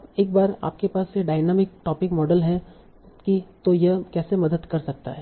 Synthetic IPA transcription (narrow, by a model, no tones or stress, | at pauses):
beːk̚baːɾa̰ːp̚kepaːsjeɖaːɪnɛːmɪk̚ʈɔːpɪkmɔːɖəlɦɛ | kit̪ojɐkɛːsemɐd̪əd̪kɐɾsɐk̚t̪a̰ɦɛː